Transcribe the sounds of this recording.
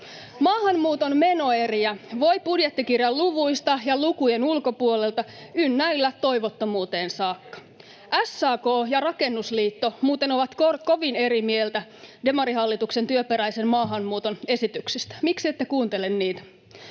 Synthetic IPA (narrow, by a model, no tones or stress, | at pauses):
mɑːɦɑmmuːt̪o̞nme̞no̞eriæʋo̞jpudjet̪ːikirjɑlluʋujst̪ɑjɑlukujenulko̞puo̞le̞lt̪ɑynːæilːæt̪o̞ijʋot̪ːomuːt̪e̞ːnsɑːkːɑ̥ | ʔæsːɑːko̞ːjɑrɑke̞nːusliːt̪ːo̞muːt̪e̞no̞ʋɑt̪korko̞ʋine̞ɾimieelt̪æde̞mɑɾiɦɑlːit̪uksent̪yøpeɾæjse̞mmɑːɦɑmmuːt̪o̞ne̞sit̪yksist̪æ̥miksiet̪ːekuːnt̪e̞lenniːt̪æ̥